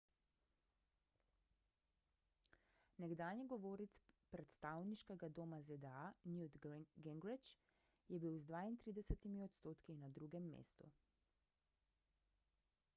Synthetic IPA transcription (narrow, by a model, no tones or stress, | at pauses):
nɛɡd̪aːniɡɔʋoːɾit̪spɾɛt̪st̪aːwniʃkɛɡad̪oːmazɛd̪ɛanjud̪ɡɛŋɡɾit͡ʃ | jɛbiwzd̪ʋaːint̪ɾiːd̪ɛsɛt̪imiɔt̪st̪oːt̪kinad̪ɾuɡɛmːḛːst̪ṵ